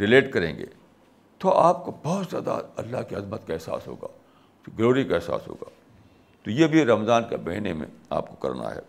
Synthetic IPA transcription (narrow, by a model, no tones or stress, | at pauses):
ɾɪleːʈkɐɾẽːŋɡḛː | t̪oaːp̚kobɔːt̪zjaːd̪a̰ɐlːaɦkiɐzmət̪kaɛsa̰ːsɦo̰ːɡaː | ɡloːɾikaɛɦsa̰ːsɦo̰ːɡaː | t̪ojebʱiɾɐmzaːnkebɛɦnemḛ̃a̰ːp̚ko̥kɐ̰ɾna̰ɦɛ̰ː